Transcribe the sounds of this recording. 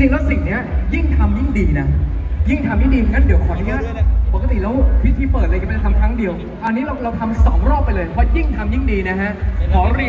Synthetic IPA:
t͡ɕi˧lɛ˦˥si˨˩ŋni˦˥ɐji˥˩ŋt̪ʰa˧mji˥˩ŋdiː˧na˦˥ji˥˩ŋt̪ʰa˧mji˥˩ŋdiː˧˩ŋa˦˥˩diː˨˩˦əwkʰɔː˩˦na˥˩ŋaː˥˩npo˨˩kt̪i˨˩lːwpʰi˦˥t̪ʰːiː˥˩pəː˨˩la˧jkm˥˧˥t̪ʰa˧mkʰɾa˦˥ŋdi˧əw | ʔa˧nːi˦˥ɾa˧wɾa˧wt̪ʰa˧msɔː˩˦ŋɾɔː˥˩p̚ːa˧jlɤː˧jpʰɔ˦˥ji˥˩ŋt̪ʰa˧mji˥˩ŋdiː˧na˦˥kʰa˦˥ʔkʰɔː˩˦ɾi˧

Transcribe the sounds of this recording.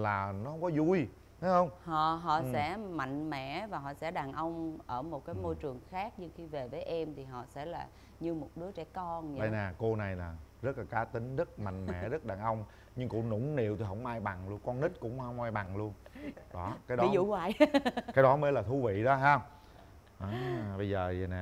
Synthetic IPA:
laː˨˩nɔ˨˦hə˧wŋ͡mkɔ˨˦zu˧j | t̪a˨˦hə˧wŋ͡mhɔ̰˧˨ɦɔ̰˧˨sɛ̰˧˥ma̰˧˨ŋ̟mɛ̰˧˨vaː˨˩ɦɔ̰˧˨sɛ̰˧˥ɗaː˨˩nʔə˧wŋ͡mʔəː˧˩mo˨˩t̚kaː˨˦jmo˧jt͡ɕɨ˨˩əŋxaː˦˥k̚ɲɨ˧ŋxi˧ve˨˩vəː˨˦jʔɛ˧mt̪ʰi˨˩ɦɔ̰˧˨sɛ̰˧˥laː˨˩ | ɲɨ˧mo˨˩t̚ɗɨ˨˦ət͡ɕɛ˧˩kɔ˧nɗə˧jnaː˨˩ko˧na˨˩jlaː˨˩zə˦˥t̚laː˨˩kaː˨˦t̪ï˨˦ŋ̟zə˦˥t̚ma̰˧˨jŋ̟mɛ̰˧˨zə˦˥t̚ɗaː˨˩nʔə˧wŋ͡m | ɲɨ˧ŋkʊ̰˧˩nʊ̰˧˥ŋ͡mnḭ˧˨wt̪i˨˩ɦə˧˥wŋ͡mʔaː˧jɓa˨˩ŋlu˧ənkɔ˧nni˦˥t̚kʊ̰˧˥wŋ͡mhə˧˦wŋ͡mʔaː˧jɓa˨˩ŋlu˧ənɗɔ˨˦kaː˨˦jɗɔi˦zṵ˧˨kwaː˨˩jkaː˨˦jɗɔ˨˦mə˨˦laː˨˩t̪ʰu˧vḭ˧˨ɗɔ˨˦ɦaː˧ŋ͡m | ʔaː˨ɓə˧jzəː˨˩zna˨˩

